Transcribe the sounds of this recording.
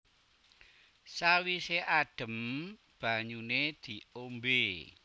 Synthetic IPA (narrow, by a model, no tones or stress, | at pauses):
sawiseʔaɖ̥ə̤m | b̥a̤ɲuned̪̥i̤ombe